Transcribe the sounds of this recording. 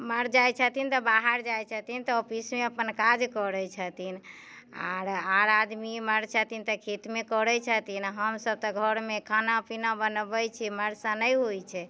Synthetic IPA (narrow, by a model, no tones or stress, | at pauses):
məɾd͡ʒajt͡ʃʰət̪int̪ɔbaɦəɾd͡ʒajt͡ʃʰət̪int̪ɔopismeəpənkad͡ʒkɔɾɛt͡ʃʰət̪in | a̰ɾaɾad̪miməɾt͡ʃʰət̪int̪ɔkʰet̪mekɔɾɛt͡ʃʰət̪inɦəmsəb̚t̪ɔɡʱɔɾmekʰanapinabənbət͡ʃʰɛməɾsãnəjɦojt͡ʃʰɛ